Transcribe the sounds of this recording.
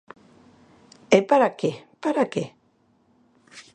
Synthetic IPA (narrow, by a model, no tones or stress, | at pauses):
epaɾakepaɾake